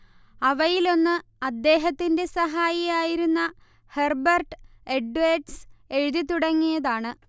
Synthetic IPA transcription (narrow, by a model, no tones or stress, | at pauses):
ɐʋɐjilo̞nːɨ | ɐd̪ːe̞ːɦɐt̪ːinde̞sɐɦaːjijaːjiɾunːɐ | herbɐrʈɨ | eɖʋeːɖse̞ɻuðit̪ːuɽɐŋːijɐðaːɳɨ